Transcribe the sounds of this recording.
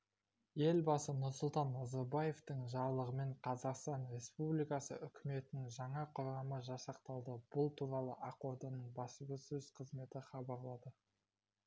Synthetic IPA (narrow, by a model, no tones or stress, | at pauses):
je̞lbɑsənʊɾsʊlˠt̪ɑnːɑzɑɾbaje̞ft̪əɴʒɑɾlˠəʁəme̞ɴqʰɑzɑqst̪ɑnɾe̞spublijkɑsə̰ʔʏkʲɪme̞t̪ɪnɪŋʒɑɴɑqʰʊɾɑməʒɑsɑq̚t̪ɑlˠd̪əb̥ʊlˠt̪ʰuɾɑlˠəʔɑqoɾd̪ɑnəɴbɑsəɡəsɵz̥qʰəzme̞t̪ɪχɑbɑɾlˠɑd̪ə